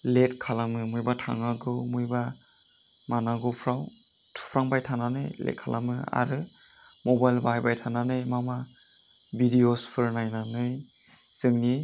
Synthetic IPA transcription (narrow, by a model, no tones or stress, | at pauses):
let̚kʰalamɯmujbatʰa̰ŋaɡɯmujba | manaɡɯpʰɾaw | tʰpʰɾaŋbajtʰananɯjlḛt̚kʰalʔa̰mɯa̰ɾɯ | mɔbajlbajbajtʰananɯjmama | bidiospʰɯɾnajnanɯj | sɯŋni